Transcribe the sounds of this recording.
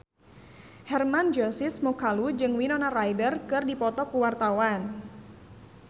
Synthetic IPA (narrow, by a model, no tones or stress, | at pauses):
hɛrmand͡ʒɔsɪsmɔkalud͡ʒɨŋwinɔnarajdərkɨrdipɔt̪ɔkuwart̪awan